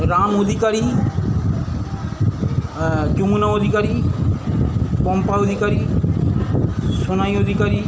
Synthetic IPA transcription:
ɾamod̪ʱikaɾi | d͡ʒumunaod̪ʱikaɾi | kɔmpaod̪ʱikaɾi | sonajod̪ʱikaɾi

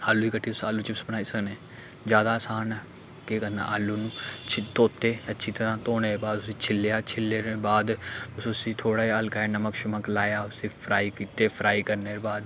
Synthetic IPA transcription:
aːlːuːiːkəʈʰːiːʊsa̰ːlːuːt͡ʃɪpsbənaːiːsəknẽː | d͡ʒjaːd̪aːsaːnɛː | keːkənã̰ːʔaːlːuːnũːt͡ʃʰɪt̪oːt̪eːətːʃʰiːt̪əɾãːt̪oːñeːbaːd̪ʊsiːt͡ʃʰɪlːeaːt͡ʃʰɪlːeːɾeːbaːd̪ʊsʊsiːt̪ʰoːɽaːiːəlkaːeːnəməkʃʊməklaːjaːʊsiːpʰɾaːiːkiːt̪eːpʰɾʔaːiːkəɾneːɾbaːd̪

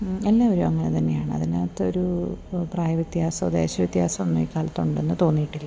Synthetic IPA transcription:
e̞lːaːʋoɾuɐŋːɐnet̪ɐnːejaːɳɨɐ̰ðina̰ːt̪ːoɾupraːjɐʋit̪jaːsɐd̪ḛːɕɐʋit̪jaːsɐmonːumḭːkaːlɐt̪ːuɳɖe̞nːɨt̪o̞ːnːijiʈːilːɐ

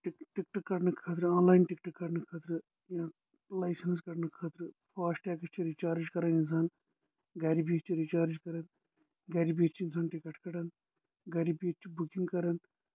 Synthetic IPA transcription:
ʈiʈikʈɐkːɐʈnɨkʰɐːt̪̬ɾɨaːnlaːjnʈikʈɐkːɐʈnɨkʰaːt̪ɾɨ | jãː | lɐjsɐns̬kɐʈnɨkʰaːt̪ɾɨ | faːsʈɛːkɐt͡ʃʰiɾit͡ʃaːɾd͡ʒkɐɾɐnins̬aːn | ɡɐɾibiɐt͡ʃʰiɾit͡ʃaːɾd͡ʒkɐɾɐn | ɡɐɾibit͡ʃʰiinsaːnʈikɐʈkɐʈɐn | ɡɐɾibiɐt͡ʃʰibukiŋɡkɐɾɐn

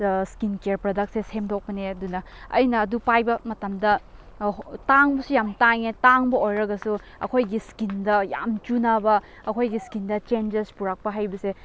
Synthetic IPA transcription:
skinkeeɾpɾodɐk̚seshemdok̚pɐneɐdunɐɐ̰jnɐːdupajbɐmɐtɐmdɐ | taŋbɐsujamtaŋetaŋbɐojɾɐɡɐsu | ɐ̰kʰojɡiskindɐja̰mt͡ʃunabɐ | ɐkʰojɡiskindɐt͡ʃend͡ʒespuɾak̚pɐɦajbɐse

